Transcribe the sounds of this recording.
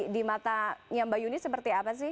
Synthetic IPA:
dimat̪ajaŋbajunɪsəpərt̪iapas̬ɪ

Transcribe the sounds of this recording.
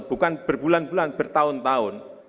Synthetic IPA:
b̥ṳkanb̥ərbulanbulanb̥ə̤rt̪aʊnt̪aʊn

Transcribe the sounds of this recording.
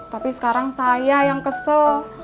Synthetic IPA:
t̪apisə̥kaɾaŋsajajaŋkəsɔ

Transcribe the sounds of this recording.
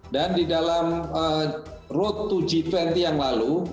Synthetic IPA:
dandidalamə | rot̪ːud͡ʒifɛnt̪ijaŋlalu

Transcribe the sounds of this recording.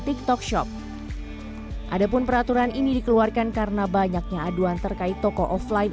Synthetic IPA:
t̪ik̚t̪ɔk̚ʃɔ̰p̚ | ʔadapʊnpəɾat̪uɾaninidikəluarkankarnabaɲak̚ɲaːduant̪ərkaɪt̪ːɔkɔʔɔflajf

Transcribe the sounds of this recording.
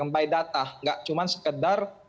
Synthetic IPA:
əmbajdat̪ahŋɡaʔt͡ʃumansə̥kədar

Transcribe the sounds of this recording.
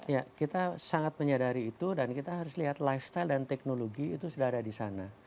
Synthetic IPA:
jakit̪asaŋat̪̚məɲadaɾiːt̪udankit̪aɦaɾʊsliɦat̪lajfst̪ajldant̪ɛk̚noloɡiːt̪usudaɦadadisana

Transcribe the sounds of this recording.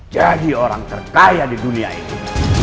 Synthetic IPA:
d͡ʒadioɾaŋt̪ərkajadidunia̰ḭtu

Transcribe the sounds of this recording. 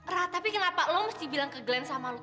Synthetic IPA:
rat̪apikənapaʔlɔməst̪ibilaŋkəɡəlɛnsamalo

